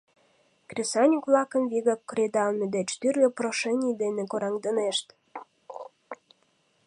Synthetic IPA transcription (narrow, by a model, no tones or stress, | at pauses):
krʲisɑnʲukvlɑkəmviɣɑkːɾʲed̪ɑlmed̪et͡ɕt̪yrlʲeproʃenʲid̪enekoɾɑŋd̪ə̆neʃt̪